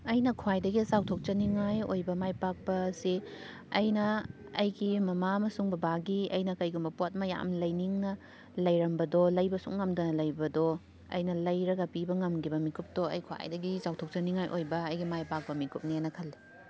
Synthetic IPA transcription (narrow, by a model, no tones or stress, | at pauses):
ɐjnɐkʰuwajdɐɡizawtʰok̚t͡ʃɐniŋajojbɐmajpak̚bɐsi | ɐjnɐː | jɡimɐmamɐsuŋbɐbaɡiɐjnɐkɐjɡumbɐpot̚mɐja̰mlɐjniŋnɐ | lɐjɾɐmbɐdɔlɐjbɐsuk̚ŋɐmdɐnɐlɐjbɐdɔ | ɐ̰jnɐlɐjɾɐɡɐpibɐŋɐmɡibɐmikup̚toɐ̰jkʰwa̰jdɐɡizawtʰok̚t͡ʃɐniŋajʔojbɐːjɡimajpak̚bɐmikup̚nenːɐkʰɐlːi